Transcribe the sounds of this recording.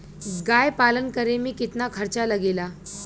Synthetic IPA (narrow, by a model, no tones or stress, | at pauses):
ɡajpalənkəɾemiːkit̪nakʰəɾt͡ɕaləɡela